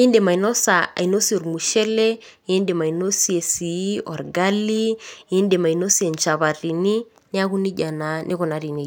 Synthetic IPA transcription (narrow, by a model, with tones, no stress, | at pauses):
i˦nde˨ma˨i˨nɔ˦sa˨a̰˨i˨no˦si˦ɔ˨ɾmu˨ʃɛ˦lɛ˦ | e˦nde˨ma˨i˨no˦si˦e˨si˨˦ɔ˨ɾɡa˦li˦i˦nde˨ma˨i˨no˦si˦e˨nt͡ʃa˨βa˨ri˨ni˦ | ni˦a˦ku˦ni˦ɟa˨na˨˦nʔi˦kɔ˨na˨˦ɾi˨ne˦